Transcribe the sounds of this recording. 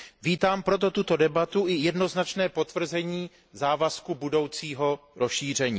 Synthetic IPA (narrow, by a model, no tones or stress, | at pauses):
viːt̪aːmpɾo̞t̪̬o̞t̪ut̪o̞dɛbat̪uʔɪjɛdno̞znat͡ʃnɛːpo̞t̪vr̩zɛɲiː | zaːvaskubudo̞wt͡siːɦo̞ɾosʃiːr̝ɛɲiː